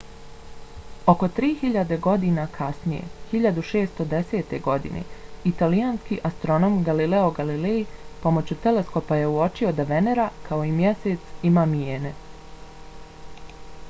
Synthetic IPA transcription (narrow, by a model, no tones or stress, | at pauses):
o̞ko̞t̪ɾiːxiʎad̪e̞ɡo̞d̪inakʰasnijḛhiʎad̪uʃe̞ːst̪o̞d̪e̞se̞ːt̪e̞ɡo̞d̪ḭnḛit̪alijaːnskiʔast̪ɾo̞nomɡalileo̞ɡalilejipo̞mo̞t͡ɕut̪e̞le̞sko̞paje̞uo̞t͡ʃio̞d̪aʋe̞neɾakʰao̞imjese̞t̪simaːmijeːne